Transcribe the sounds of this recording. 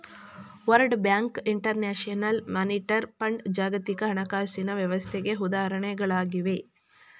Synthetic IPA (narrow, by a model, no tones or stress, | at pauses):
ʋɐɾɖbjaːŋkiɳʈɐɾneːʂɐnɐlmaːniʈɐɾpɐɳɖd͡ʒaːɡɐt̪ikɐɦɐɳɐkaːsinɐʋjɐʋɐst̪ʰɛɡe̞ɦud̪aːɾɐɳɛɡɐɭaːɡiʋe